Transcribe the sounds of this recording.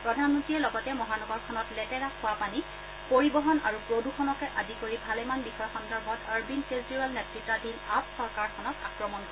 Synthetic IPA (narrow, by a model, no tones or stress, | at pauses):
pɹɔdʱanmɔntiɛlɔɡɔtɛmɔɦanɔɡɔɹkʰɔnɔtlɛtɛɹakʰːʊwapani | poɹibɔɦɔna̰ɹupɹodukʰɔnɔkɛʔadikoɹibʱalɛmanbixʰɔjɔxɔndɔɹbʱɔtaɹbinkezdiɹalnetɹitːadʱinapsɔɹkaɹkʰɔnɔta̰kɹɔmɔnkɔ